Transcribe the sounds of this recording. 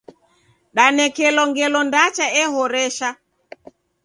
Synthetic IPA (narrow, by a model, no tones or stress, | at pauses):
ɗanɛkɛlɔŋɡɛlɔndat͡ʃaɛhɔɾɛʃa